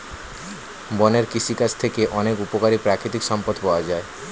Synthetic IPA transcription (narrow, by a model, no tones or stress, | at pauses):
bɔneɾkiʃikast̪ʰekeʔɔnekupokaɾipɾakɾit̪ikʃɔmpod̪pɔoad͡ʑae